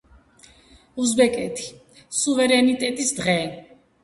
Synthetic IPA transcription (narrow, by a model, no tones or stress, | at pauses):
uzbɛkʼɛt̪ʰi̥ | suvɛɾɛnit̪ʼɛt̪ʼisd̪ʁɛ